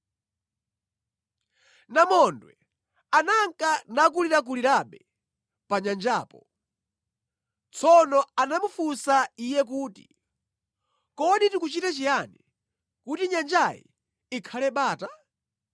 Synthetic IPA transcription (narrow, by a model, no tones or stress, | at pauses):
namɔndwɛ̰ | anaŋkanak̬uliɾak̬uliɾaɓɛ | paɲand͡ʒaːpɔ | t͡sʰɔnɔanamufusaijɛk̬uːti | kɔɗitikut͡ʃitat͡ʃijani | kutiɲand͡ʒajḭ | ikʰalɛɓaːta